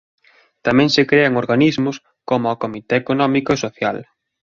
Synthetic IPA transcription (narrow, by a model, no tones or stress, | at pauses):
t̪amɛ̃ŋsekɾeaŋoɾɣanizmʊs | komʊakomit̪eːkonɔmikoesoθjal